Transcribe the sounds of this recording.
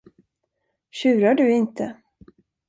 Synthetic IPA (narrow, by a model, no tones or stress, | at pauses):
ɕʉ̟ːɾaɖɵɪnt̪ʰə